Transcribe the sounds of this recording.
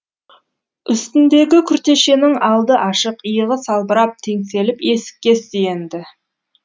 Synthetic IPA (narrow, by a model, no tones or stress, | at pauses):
ʏst̪ɪnd̪e̞ɡʲɪkʲʰʏɾt̪e̞ʃe̞nɪŋɑlˠd̪əʔɑʃəqəjəʁəsɑlˠbəɾɑp̚t̪ʰe̞ŋse̞lɪpe̞sɪ̥k̚ʲːe̞st̪ejend̪ɪ